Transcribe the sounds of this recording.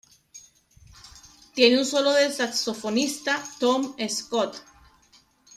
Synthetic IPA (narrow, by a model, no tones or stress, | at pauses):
t̪je̞neunso̞lo̞ðesakso̞fo̞nist̪at̪omeskot̪